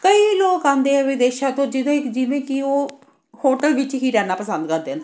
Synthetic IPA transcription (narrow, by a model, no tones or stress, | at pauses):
kəiːloːkãːnd̪eːɛ̃ːʋɪd̪eːʃãːt̪õːd͡ʒɪd̪ãːɪkd͡ʒɪʋẽːkɪoː | hoːʈəlʋɪt͡ʃɦiːɾɛːnaːpəsə̃nd̪kəɾd̪ẽːnd̪e